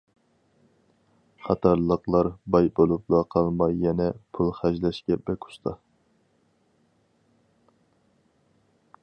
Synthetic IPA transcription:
χɑt̪ʰɑɾlˠəqlˠɑɾbɑjbolˠuplˠɑqʰɑlˠmɑjːɛnɛpʰulˠχæʒlɛʃkʲɛbɛkʰu̥st̪ʰɑ

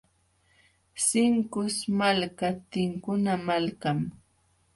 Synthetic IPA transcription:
sɪŋkʊsmalkat̪ɪŋkʊnamalkam

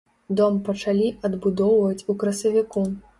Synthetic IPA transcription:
d̪ɔmpɐt͡ʂalʲiɐd̪bud̪ɔwvɐt͡sʲukɾɐsɐvʲiku

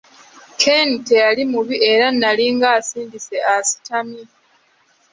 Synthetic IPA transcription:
kʰe̞ntejalimuβie̞ɾanːaliːŋɡaːsiːndise̞asi̥tami

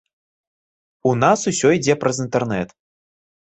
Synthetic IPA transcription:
unasusʲɔid͡zʲɛpɾɐzɨnt̪ɛrnɛt̪

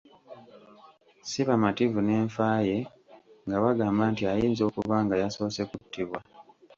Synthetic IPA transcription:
siβamativune̞ːɱfaːje̞ | ŋɡawaɡaːmbantiajiːnzo̞ːkuvaːŋɡajaso̞ːse̞kutʰːiβwa

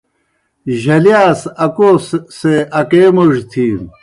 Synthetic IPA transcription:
ʑɐlijaːsɐkoːseɐkeːmuʐt̪ʰin

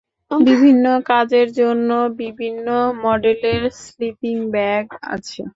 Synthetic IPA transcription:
bibʱinːokad͡ʑeɾd͡ʑonːobibʱinːomɔɖeleɾslipiŋbɛɡa̰t͡ɕʰḛ

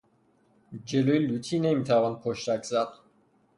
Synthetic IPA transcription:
d͡ʒeloːjelut̪ʰiːnemiːt̪ʰævɒnpʰoʃt̪æcʰzæd̪̥

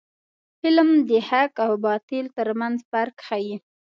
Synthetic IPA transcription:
hɪlmd̪əhakawbɑt̪ɪlt̪əɾmanzpaɾkxaji

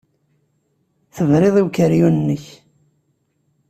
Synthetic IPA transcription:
θəvɾˤeðˤiwkəɾjunənːəç

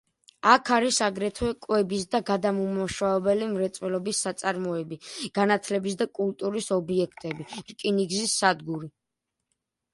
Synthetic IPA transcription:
akʰaɾisaɡɾɛt̪ʰwɛkʼwɛbisd̪aɡad̪amumɔʃaɛbɛlimɾɛt̪sʼwɛlɔbisːat̪sʼaɾmɔɛbiɡ̥anat̪ʰlɛbis̬d̪akʼult̪ʼuɾisɔbiɛkʰt̪ʼɛbiɾkʼiniɡzisːad̪ɡuɾi

